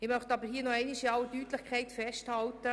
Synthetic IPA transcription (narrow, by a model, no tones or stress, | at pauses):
ɪmœχt̪ɑbəɾɦiːənɔɛɪniʃiɑwdyːtlɪχkʰɛɪtfɛʃthɑltə